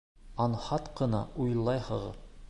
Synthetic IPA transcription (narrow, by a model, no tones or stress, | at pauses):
ɒnhɑt̪qɤ̆nɑ̰ujlˠːɑjhɤ̆ʁɤ̰